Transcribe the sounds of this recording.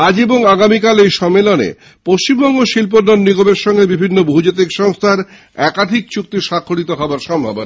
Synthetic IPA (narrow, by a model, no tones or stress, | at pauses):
ad͡ʑeboŋaɡamikalejʃɔmːelonḛ | poʃt͡ɕimbɔŋɡoʃilp̬onːonːiɡobeɾʃɔŋɡebibʱinːobud͡ʑet̪̬ikʃɔŋst̪ʰaɾ | ɛkad̪ʱik̚t͡ɕuk̚t̪iʃakʰːoɽit̪oɦɔoaɾʃɔmbʱabona